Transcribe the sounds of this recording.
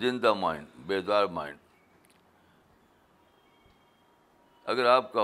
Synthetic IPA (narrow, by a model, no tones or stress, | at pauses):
zɪnd̪amaːɦɪ̰nbeːzaːɾma̰ːɦɪ̰n | ɐ̰ɡəɾaːp̚ka